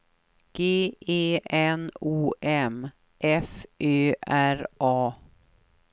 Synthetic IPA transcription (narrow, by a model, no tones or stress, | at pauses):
ɡ̥eːeːɛnuːʔɛm | ʔɛfʔøːʔæɾʔɑː